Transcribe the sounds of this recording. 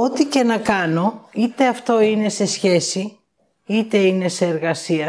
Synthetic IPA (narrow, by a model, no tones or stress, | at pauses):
o̞t̪ice̞nɐkɐno̞it̪e̞ɐft̪o̞ine̞se̞sçe̞si | it̪e̞ine̞seːɾɣɐsiɐ